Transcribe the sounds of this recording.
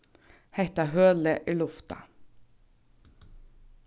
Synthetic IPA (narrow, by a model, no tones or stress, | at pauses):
hæɪt̪ɑhøːləʔiːlʊft̪ɑ̰